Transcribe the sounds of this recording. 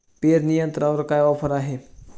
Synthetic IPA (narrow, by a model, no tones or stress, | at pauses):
peːɾnijənt̪ɾaʋɾɐkajɔːpʰəɾaːɦe